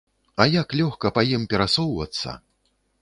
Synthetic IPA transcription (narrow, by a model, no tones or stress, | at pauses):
ɐjaklʲɔxkɐpajimpʲɛɾasɔwvɐ̰t̪sːɐ̰